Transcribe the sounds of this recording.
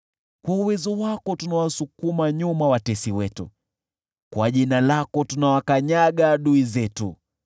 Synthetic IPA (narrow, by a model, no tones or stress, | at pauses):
kwauwɛzɔwakɔtunawasukumaɲumawatɛsiwɛtṵ | kwaʄinalakɔtunawakaɲaɠaɗuizɛtṵ